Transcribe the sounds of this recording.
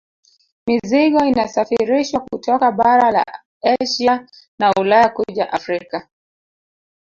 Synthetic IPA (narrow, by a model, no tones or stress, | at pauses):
miziɠɔinasafiɾiʃwakutɔkaɓaɾala̰ | aʃia | naulajakuʄaʔafɾika